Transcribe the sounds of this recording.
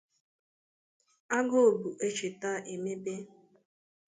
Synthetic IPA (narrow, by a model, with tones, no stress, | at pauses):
a˦ɡo˦o˨bu˨ʔe˦t͡ʃe˨ta˦ʔe˨me˦be˦